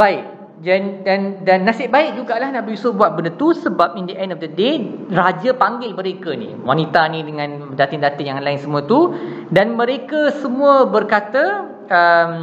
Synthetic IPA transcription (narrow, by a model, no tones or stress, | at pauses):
baɪk̚ | dandandanːasɪʔbaɪk̚d͡ʒuɡaʔlahnãʔbəisobuat̪̚bəndət̪usəbap̚indəʔɛndɔfdəderad͡ʒapaŋɡɪlməɾekənḭ̃wanĩt̪anĩdəŋãn | dat̪ɪŋdat̪əjaŋlaɪnsəmũət̪u | danmə̃ɾekəsəmũəbərkat̪ə | əm